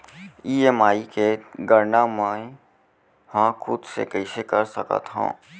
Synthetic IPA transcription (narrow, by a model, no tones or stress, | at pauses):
iːemaːikeɡəɾnamɛ̃ | hãkʰʊd̪sḛkəɪsekəɾsəkə̰t̪ɦõ̰ː